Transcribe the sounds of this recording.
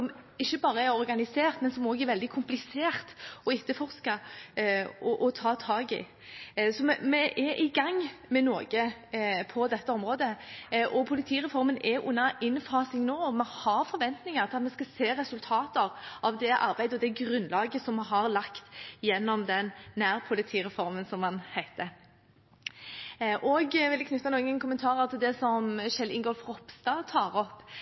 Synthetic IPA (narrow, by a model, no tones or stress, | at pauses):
sɔmɪçːəbɑːɾəæɾɔɾɡɑnɪseːʁt̪mɛnsɔmoːɡɛɾʋɛld̪ɪkʰʊmplɪseːɾt̪ɔɪt̪ːəfɔʁskɑ | ɔʔɔt̪ʰɑːt̪ʰɑːɡɪ̰ | sɔmɛmɛʔɛʔɪɡɑŋːmɛnoːɡəpʰɔd̪ɛt̪ːəɔmɾoːd̪əʔɔpʰʊlɪt̪ʰiːɾɛfɔɾmənʔɛʔʊ̰nːɑʔɪnfɑːsɪŋnoːɔmɛhɑɾfɔɾʋɛnt̪nɪŋɑɾt̪ʰɑt̪mɛskɑseːɾɛsʉlt̪ʰɑːt̪əɾɑʋd̪ɛʔɑ̰ɾbæɪd̪əɔd̪ɛɡɾʉnːlɑːɡəsɔmɦɑɾlɑkt̪jɛnːɔmd̪ɛnːæːɾpʰʊlɪt̪ʰiːɾɛfɔɾmənsɔmhɑnhæɪt̪ə | ʔɔɡʋɪlɪkʰnʉt̪ːɑnuːɡənkʰʊmənt̪ʰɑːɾəʁt̪ʰɪld̪ɛsɔmʃɛlɪŋɡɔlfʁɔpst̪ɑt̪ʰɑːɾɔpː